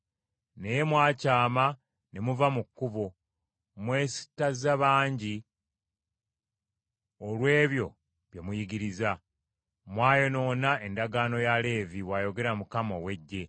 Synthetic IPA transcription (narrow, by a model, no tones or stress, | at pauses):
ne̞jemwaːcaːma | ne̞muvamukːuβo | mwe̞ːsi̥tazaβaːɲɟi | olwe̞ːβjo̞ | βjemujiɡiɾiza | mwaːjo̞no̞ːnae̞ndaɡaːno̞jale̞ːviβwajo̞ɡe̞ɾamukamo̞we̞ɟːe̞